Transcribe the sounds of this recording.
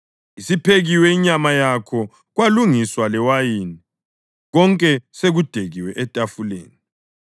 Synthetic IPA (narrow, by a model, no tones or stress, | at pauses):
isipʰeɣiwɛiɲamajakʰɔ | ɣwaluŋiswalɛwajini | ɣɔŋkʼɛseɣud̥ʱeɣiwɛʔɛtʼafulḛːni